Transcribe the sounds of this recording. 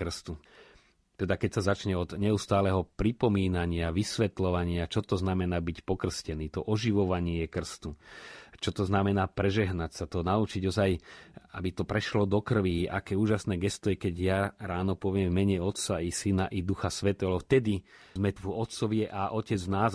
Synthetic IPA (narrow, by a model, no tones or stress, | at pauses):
kr̩st̪u | t̪ɛd̪akɛcsazat͡ʃɲɛɔd̪ɲɛust̪aːlɛɦɔpɾipɔmiːnaɲɪaʋisʋɛt̪lɔʋaɲɪat͡ʃɔt̪ɔznamɛnaːbicpɔkr̩scɛniːt̪ɔʔɔʒiʋɔʋaɲɪɛkr̩st̪ut͡ʃɔt̪ɔznamɛnaːpɾɛʒɛɦnacsat̪ɔnaut͡ʃiɟɔzajabit̪ɔpɾɛʃlɔd̪ɔkr̩ʋiʔa̰kɛːuːʒasnɛːɡɛst̪ɔjɛkɛɟjaɾaːnɔpɔʋɪɛmvmɛɲɛɔt̪saisinaʔid̪uxasʋɛt̪ɛːɦɔft̪ɛd̪i | zmɛvɔt̪t͡sɔʋɪɛʔaʔɔcɛd͡znaːz